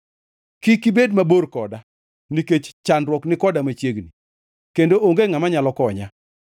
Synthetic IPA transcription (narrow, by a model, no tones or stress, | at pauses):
kɪkibedmaborkɔda | niket͡ʃt͡ʃandɾwɔknɪkɔdamat͡ʃjeɡni | kendoʔoŋɡeŋamaɲalɔkɔɲa